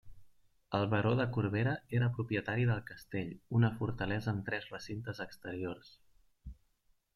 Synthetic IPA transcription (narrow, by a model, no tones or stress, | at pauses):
əlˠβəɾoðəkuɾβ̞eɾəeɾəpɾupjət̪aɾiðəlˠkəst̪eʎunəfuɾt̪əlɛzəːmt̪ɾɛzrəsint̪əzəkst̪əɾiors